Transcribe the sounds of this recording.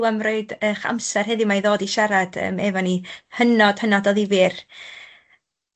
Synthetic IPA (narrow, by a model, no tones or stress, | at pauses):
wamroɨdəχa̰msɛrɦɛðɪmajðoːdiʃaɾad̥ə̰mɛvɔnihənɔd̥hənadɔðivir